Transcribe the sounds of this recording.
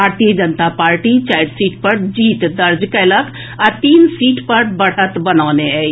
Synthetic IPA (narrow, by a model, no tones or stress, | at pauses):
bʱaɾt̪ijəd͡ʒənt̪apaːɾʈit͡ʃaɪɾsiːʈpəɾd͡ʒiːt̪d̪əɾd͡ʒkeləɡ | at̪iːnsiːʈpəɾbəɽ̤ət̪bənaːneɛi